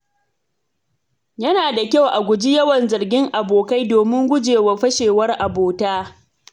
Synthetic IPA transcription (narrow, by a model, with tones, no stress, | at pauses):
jɐ˦naː˨da˨kʲa˦˨wʔa˨ɡʷʊ˨d͡ʒi˦jɐ˦wɐ˨nzɐ˨rɡʲɪ˦ŋʔa˨boː˨ka˦jdoː˨mɪ˦ŋɡʷʊ˦d͡ʒeː˨wa˨ɸɐ˦ʃeː˨wɐ˦rʔa˨boː˨taː˦